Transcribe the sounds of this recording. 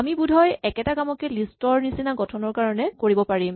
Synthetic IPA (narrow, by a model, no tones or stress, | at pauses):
amibudʱɔjɛkɛtakamɔkɛlistɔɹnisinaɡɔtʰɔnɔɹkaɹɔnɛkoɹibɔpaɹim